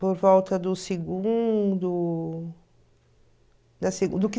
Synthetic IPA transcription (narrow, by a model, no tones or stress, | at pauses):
poɾvɔwt̪ɐd̪ʊseɡũd̪ʊ | d̪ɐseɡũd̪ʊkɪ